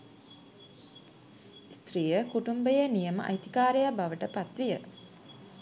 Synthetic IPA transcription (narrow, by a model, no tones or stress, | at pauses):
st̪rijəkuʈumbəjənijəmə̰ʔa̰jt̪i̥kaːɾejabaʋəʈəpat̪ʋijə